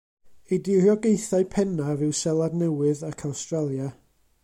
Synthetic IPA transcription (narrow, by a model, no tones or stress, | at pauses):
ejdɪrjɔɡejθaɨpʰɛnavɨwsɛlˠadnɛwɨðakʰawstralˠja